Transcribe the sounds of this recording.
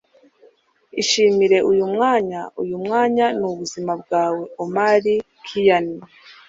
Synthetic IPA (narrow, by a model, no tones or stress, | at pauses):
iʃiːmiɾe̞ʔujumŋaːɲaṵjumŋaːɲanuβuzimab̚ɡaːwe̞omaɾi | kʰijani